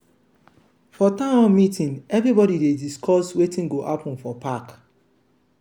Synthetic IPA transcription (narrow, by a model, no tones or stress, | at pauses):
fɔtãmɔnmitĩnɛvɾibɔdidediskʰɔswetĩnɡoʔapɔ̃n̩fɔpak